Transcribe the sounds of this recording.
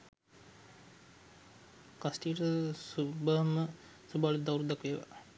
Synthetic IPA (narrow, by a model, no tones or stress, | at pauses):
kasʈiːʈəsubəɦəmə | subaːlud̪awɾud̪akʋeːʋa̰